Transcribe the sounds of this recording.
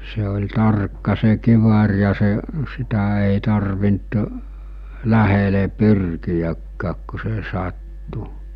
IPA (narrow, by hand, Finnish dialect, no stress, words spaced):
se olʲ tɑrkːɑ se kiʋɑr jɑ se sitæ eˑi tɑrʋint læhele pyrkijækːæːk ku se sɑtːu